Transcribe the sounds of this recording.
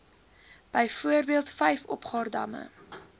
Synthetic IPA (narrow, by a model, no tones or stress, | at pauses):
b̥əjfuərbiəlˠtfɛjfɔ̰pχɑːrdɐ̰mə̰